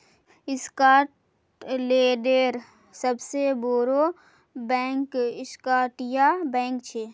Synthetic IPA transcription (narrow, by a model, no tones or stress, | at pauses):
ɪskaːʈ | leːɖeːɾ | səbseboɾo | bɛ̃ːŋkɪskaːʈjabɛ̃ːŋkt͡ʃʰeː